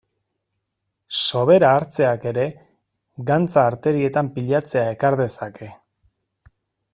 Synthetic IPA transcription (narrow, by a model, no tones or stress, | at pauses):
so̞βe̞ɾaːɾt͡se̞ake̞ɾe̞ | ɡant͡saːɾt̪e̞ɾie̞t̪ampiʎat͡se̞ae̞kaɾðe̞sakʰe̞